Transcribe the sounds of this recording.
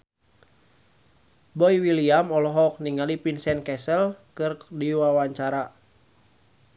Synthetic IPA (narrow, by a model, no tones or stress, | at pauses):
bɔiwiliamɔlɔɦɔk̚niŋalipinsɛnkɛsəlkɨrdiwawaɲt͡ʃaɾa